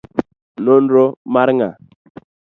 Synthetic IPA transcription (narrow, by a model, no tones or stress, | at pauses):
nonɾomaɾŋa